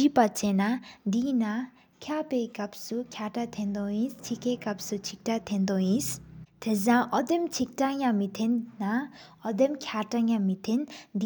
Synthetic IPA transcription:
ipat͡senad̪ina | kʰjapekɐpsukʰjaʈat̪ʰend̪oĩst͡sʰikekɐp̚sut͡sʰik̚ʈat̪ʰend̪oĩst̪ʰezãʔɔd̪emt͡sʰik̚ʈajãmit̪ʰenːa | ɔd̪emkʰjaʈajãmit̪ʰend̪i

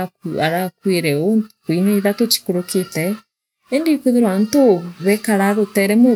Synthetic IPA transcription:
aɾakwiɾɛonkwineiðaket͡ʃi̥koɾokitɛ | endikuðiɾwantoβɛkaɾaðotɛɾɛmo

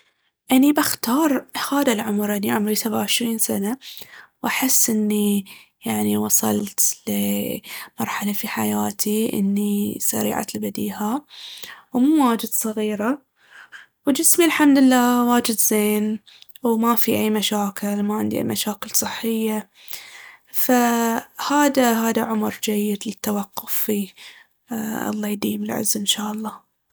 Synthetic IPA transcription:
ʔanibaxt̪ɑːɾˤhaːðalʕʊmɾʔaniʕʊmɾisabaʕɪʃɾiːnsanawʔaħɪsːʔɪnːijaʕniwɑsˤɑ̰lt̪l | mɑɾˤħalafiħajaːt̪ʰiʔɪ̰nːisa̰ɾḭːʕa̰lbad̪iːha | wmuːwaːd͡ʒɪd̪sˤɑɣiːɾa | wd͡ʒɪsmilħamd̪ɪlːaːwaːd͡ʒɪd̪zeːn | wmafiʔajːmaʃaːkɪlmaʕɪnd̪iʔa̰jmaʃaːkɪlsˤɨħːɪjːa | fahaːd̪aɦaːd̪aʕʊmɾd͡ʒajːɪd̪lɪt̪ːawɑqːʊfːi | ʔɑ̰lˤːɑːjd̪iːmɪlʕɪ̰zɪnʃaːʔɑlˤːɑː

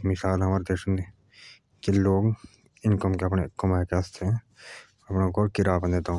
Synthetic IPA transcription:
mɪsaːlɦɐmaːɾed̪eːʃn | keloːɡ | ɪnkəmkeɐpnekːomaːkeɐst̪ʰeɦɛ̃ | ɐpnaɡʱɔːɾkɪɾaːbə̃nd̪eːd̪o

